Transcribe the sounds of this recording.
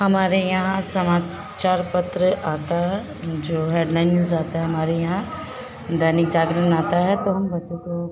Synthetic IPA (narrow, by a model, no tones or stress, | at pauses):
ɦɐmaːɾejɐɦãsɐmaː | t͡ʃaːɾpɐt̪ɾəʔaːt̪aɦɛ | d͡ʒoːɦɛːɖlaːɪnːjuːzaːt̪aɦɛɦɐmaːɾejɐɦã | d̪ʱɐnɪk̚d͡ʒaːɡɾənaːt̪aɦɛt̪oɦɐmbɐtːʃõko